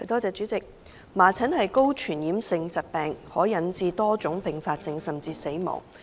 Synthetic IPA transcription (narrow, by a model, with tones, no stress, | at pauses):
ɐ˨˩jt̪ɔː˥t͡sɛː˧t͡ʃyː˨˥t͡sɪ˨k̚ | maː˨˩t͡sʰɐ˨˥nhɐ˨jko˥wt͡ʃʰyː˨˩njiː˨˥msɪ˧ŋt͡sɐ˨˩t̚pɛː˨ŋhɔː˨˥jɐ˨˥nt͡siː˧t̪ɔː˥t͡sʊ˨˥ŋpɪ˨ŋfaː˧t̚sɪ˧ŋsɐ˨mt͡siː˧se˨˥jmɔ̰ː˨˩ŋ